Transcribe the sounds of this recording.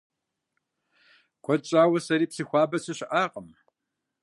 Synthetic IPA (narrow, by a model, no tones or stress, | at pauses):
kʷʰɔt͡ʃʼaːwɐsɐɾiːpsiːxʷɑːbɐsɨɕɪʔaːqʼəm